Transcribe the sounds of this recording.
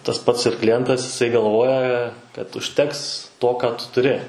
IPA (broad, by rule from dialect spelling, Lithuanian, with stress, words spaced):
tɐs ˈpɐts ɪr klʲɪˈjɛntɐs ɪˈsɐɪ ɡɐlˠˈʋoːjɛ kɐt ʊʃʲˈtʲɛks ˈtoː ˈkɑː ˈtʊ tʊˈrʲɪ